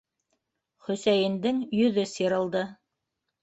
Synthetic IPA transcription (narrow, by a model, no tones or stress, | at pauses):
χɵ̆sæjɘ̆nd̪ɘŋjɵ̆ðɘsiɾɤ̆lˠd̪ɤ